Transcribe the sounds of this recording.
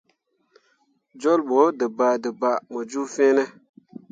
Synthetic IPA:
d͡ʒo˦lɓo˨˦dɨ˨ba˨dɨ˨ba˨mo˨d͡ʒu˦fẽː˦nɛ˦

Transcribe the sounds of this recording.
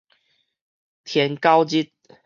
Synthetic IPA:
t̪ʰjɛ˨˦nka˦wt͡ɕi˦˥t̪̚

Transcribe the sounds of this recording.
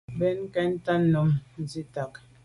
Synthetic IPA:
bɛ˦n˦kɛ˦n˦ta˦nː˦ɔ˨mn̩˨zi˦ta˨k

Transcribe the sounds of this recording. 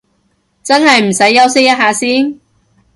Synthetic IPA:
t͡sɐ˥nhɐ˨jm̩˨˩sɐ˨˥jːɐ˥wsɪ˥k̚jɐ˥t̚ɦaː˨˧siː˥n

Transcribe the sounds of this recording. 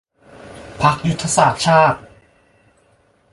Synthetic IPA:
pʰa˦˥k̚ju˦˥t̪ʰːa˧saː˨˩t̪̚t͡ɕʰaː˥˩t̪̚

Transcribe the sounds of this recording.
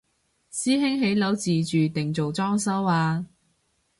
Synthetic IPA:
siː˥ɦɪ˥ŋɦe˨˥jlɐ˨˥wt͡siː˨t͡ʃyː˨t̪ɪ˨˩ŋt͡so˨wt͡sɔː˥ŋsɐ˥waː˧

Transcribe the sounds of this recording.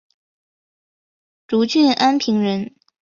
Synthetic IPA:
ʈ͡ʂu˧˥t͡ɕɥɛ˥˩nʔa˥npʰi˧˥ŋɻə˧˥n

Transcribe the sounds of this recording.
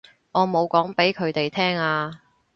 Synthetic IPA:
ŋɔː˨˧mo˨˧wkɔː˨˥ŋpe˨˥jkʰɵ˨˧ɥt̪e˨jt̪ʰɛː˥ŋaː˧

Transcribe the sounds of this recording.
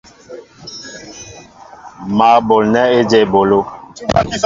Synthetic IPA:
maː˨bo˨lnɛ˦e˦d͡ʒɛ˦˨bo˨lo˦

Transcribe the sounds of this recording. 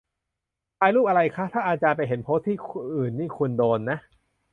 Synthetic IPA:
pʰaː˧jluː˥˩p̚ʔa˧ɾa˧jkʰa˦˥t̪ʰaː˥˩ʔa˨˧˩t͡ɕaː˧npa˧jɦe˩˦npʰo˦˥t̪ʰːiː˥˩kʔɯː˨˩nːiː˥˩kʰu˧ndoː˧nːa˦˥ʔ

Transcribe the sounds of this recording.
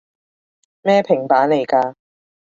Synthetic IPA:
mɛː˥pʰɪ˨˩ŋpaː˨˥nle˨˩jkaː˧

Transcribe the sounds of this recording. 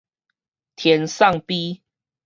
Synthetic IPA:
t̪ʰjɛ˨˦nsa˥˨ŋpi˦

